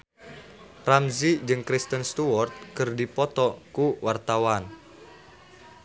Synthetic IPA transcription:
ramzid͡ʒɨŋkɾist̪ənst̪uwɔrt̪̚kɨrdipɔt̪ɔkuwart̪awan

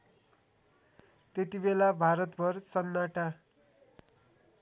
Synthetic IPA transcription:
t̪et̪ibelabʱaɾʌt̪bʱʌrsʌnːaʈa

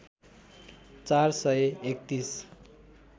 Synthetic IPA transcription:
t͡sarsʌjek̚t̪is

